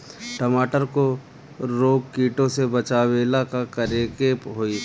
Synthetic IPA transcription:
ʈɐmaːʈəɾko | ɾoːɡkiːʈõsebɐt͡ʃaːweːlakakɐɾekeːpɦoːiː

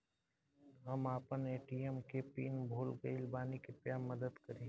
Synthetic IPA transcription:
ɣɐmaːpəneːʈiːəmkepḭːnbʱoːlɡeɪlbaːnikepjaːmɐd̪əd̪kɐɾẽː

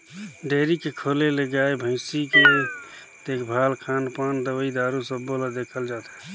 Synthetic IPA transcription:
ɖeɾikekʰoleleɡaebʱə̃ɪsike | t̪eːkʰbʱalkʰanpaːnd̪əəid̪aɾusəbːolad̪ekʰəld͡ʒaːt̪ɛ̥

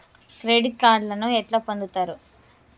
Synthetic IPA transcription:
kɾeːɖiʈ̚kaːɾɖlɐnuɛʈlaːpond̪ut̪aːɾu

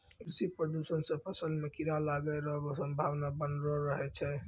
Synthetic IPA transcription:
kɾisipɾəd̪usənsə̃pʰəsəlmekiɾalaɡɛɾəɦbɔsəmbʱabnabənɾɔɾəɦɛt͡ʃʰɛ

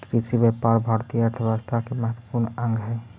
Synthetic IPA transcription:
kɾisibepaɾbʱaːɾt̪ijəɾt̪ʰəɾast̪ʰakeməɦət̪ːwə̥puɾnə̃ŋɡʱɦɛ

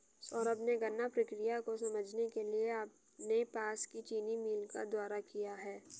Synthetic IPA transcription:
sɔːɾəbneɡɐnːapɾɐkɾijakosɐməd͡ʒʱnekelieaːp | nepaːskit͡ʃiːnimiːlka̰d̪waːɾakijaɦɛː

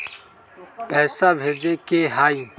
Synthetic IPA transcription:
pɛːsabʱeːd͡ʒeːkeːɦaːĩ

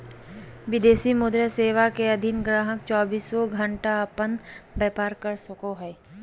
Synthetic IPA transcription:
ʋɪd̪eːsimʊd̪ɾjəseːʋakeɐd̪ʱɪnɡɾaːɦək̚t͡ʃɔːbiːsoɡʱə̃ɳʈaəpənbɛːpaːɾkəɾsɐkoɦɛː

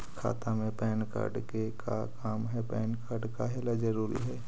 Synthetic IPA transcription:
kʰa̰ːt̪amẽpɛːnkə̰ɖkekʰakaːmɦɛpɛːnkaɾɖkaɦɛlad͡ʒɐɾuːɾḭɦɛː

